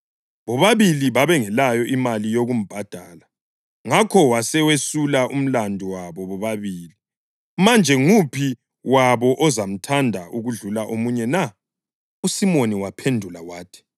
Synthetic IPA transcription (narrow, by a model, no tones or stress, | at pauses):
βɔβaβiliβaβɛŋɛlajɔʔimalijoɣum̩b̥ʱad̥ʱaːla | ŋakʰɔwasɛwesulaʔum̩landʱuwaβɔβɔβaβiːli | mand͡ʒʱɛŋupʰi | waβɔʔɔzam̩tʰandʱaʔuɣuɮulaʔomuɲɛna | usimoniwapʰendʱulawaːtʰi̥